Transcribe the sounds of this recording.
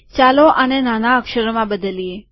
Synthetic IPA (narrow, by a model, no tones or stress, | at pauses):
t͡ʃaloʔənenanaəkʃəɾəmãbəd̪əlie